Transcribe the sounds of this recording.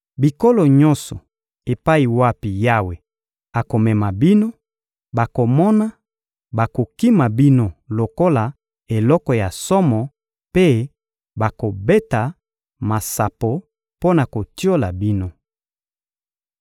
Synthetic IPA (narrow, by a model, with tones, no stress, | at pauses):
bi˨ko˦lɔ˨ɲɔ̃˦nsɔ˨ | e˨pa˦i˨wa˦pi˨ja˦we˨ | a˨ko˨mɛ˨ma˨bi˦no˦ | ba˨ko˨mɔ˦na˦ | ba˨ko˨ki˦ma˨bi˦no˦˨lo˨ko˦la˨ | e˨lɔ˦kɔ˨ja˨sɔ˦mɔ˨ | pe˦ | ba˨ko˨be˦ta˨ | ma˨sa˨po˨ | po˦na˨ko˨ti˦o˦la˨bi˦no˦